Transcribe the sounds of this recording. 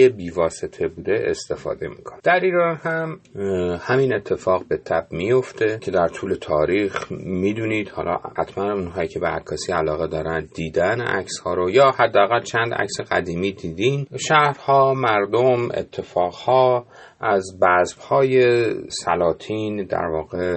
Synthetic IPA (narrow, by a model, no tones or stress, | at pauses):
ebiːvɒːse̞t̪ʰe̞buːd̪e̞ʔest̪e̞fɒ̰ːd̪e̞mikʰoned̪æɾiːɾɒːnhæm | hæmine̞t̪ʰːe̞fɒːɣbe̞t̪ʰæb̥mijo̞ft̪ʰe̞cʰe̞d̪æɾt̪ʰuːle̞t̪ʰɒːɾiːxmiːd̪uniːd̪hɒ̰ːlʔɒ̰ːhæt̪ʰmænmunɦɒːjiːcʰe̞beæ̰kʰːɒːsiːælɒːɣed̪ɒːɾænd̪d̪iːd̪ænæ̰kshɒːɾojɒːhæd̪ːeæɣælt͡ʃʰænd̪æ̰cseɣæ̰d̪iːmiːd̪iːd̪inʃæhɾhɒːmæɾd̪o̞mḛt̪ʰːe̞fɒːɣhɒː | ʔæzbæsb̥hɒːje̞sælɒːt̪ʰiːnd̪æ̰ɾvɒːɣe